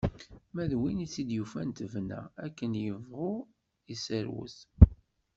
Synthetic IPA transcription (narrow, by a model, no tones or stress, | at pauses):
mæðwiniθid̪jufænt̪vnæ̰ækːənjəvʁʊ | isəɾwə̰θ